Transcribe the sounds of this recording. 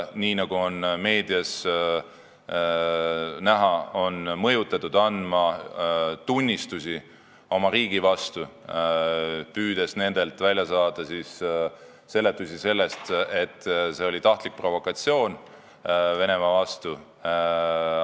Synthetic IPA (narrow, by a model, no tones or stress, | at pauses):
niːnɑɡ̥uonme̞ːd̪̥iɑs | næɦɑo̞nmɤjut̪ːˑɑt̪ːˑud̪̥ɑnd̪mɑ | t̪unʲːist̪usi | o̞mɑɾiːɡ̥ivɑst̪u | pyːd̪̥e̞sne̞nd̪̥e̞lt̪ˑvælʲjɑsɑːd̪̥ɑsis | se̞lːe̞t̪ːˑusise̞lːe̞st̪e̞t̪ːˑse̞o̞lʲit̪ɑht̪lik̚pro̞vo̞kɑt̪sio̞ːn | ve̞ne̞mɑvɑst̪u